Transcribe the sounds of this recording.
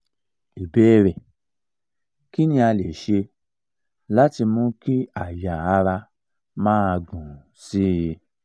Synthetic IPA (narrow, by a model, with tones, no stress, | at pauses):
i˨bɛ˨˦ɾɛ˨ | ki˦nĩ˧a˧le˨ʃe˧ | la˦ti˧mũ˦ki˦a˦˨ja˨a˧ɾa˧ | mãː˦a˧ɡũ˨si˦˨˧